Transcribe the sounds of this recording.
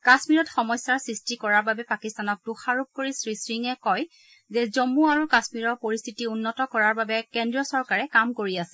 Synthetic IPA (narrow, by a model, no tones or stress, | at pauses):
kasmiɹɔtxɔmɔjsaɹsɹistikɔɹaɹbabɛpakistanɔk̚duxaɹup̚koɹisɹisɹiŋɛkɔj | zɛzomuaɹukasmiɹɔɹpoɹist̪ʰitiunːɔtɔkɔɹaɹbabɛkɛndɹiɔsɔɹkaɹɛkamkoɹiasɛ̥